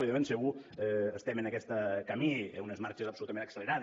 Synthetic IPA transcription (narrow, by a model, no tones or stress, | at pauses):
iðemensəɣuɛəst̪ɛmənəkɛst̪əkəmiunəzmaɾt͡ʃəzəpsulut̪əmẽnəksələɾað